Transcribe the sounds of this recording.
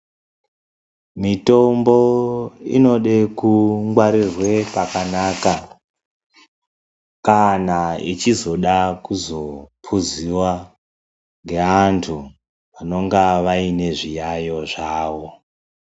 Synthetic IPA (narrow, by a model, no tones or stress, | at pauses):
mito̞mbo̞ḭno̞ɗekuŋɡwaɾirwe̞pakanaːka | kanaḭt͡ʃizo̞ɗakuzo̞pʰuziwa | ŋɡe̞antʰu | ano̞ŋɡaʋaine̞ʐijajo̞ʐaːʋo̞